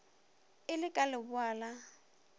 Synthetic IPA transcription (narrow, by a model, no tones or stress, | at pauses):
ɪlɪkʼalɪbʊaːla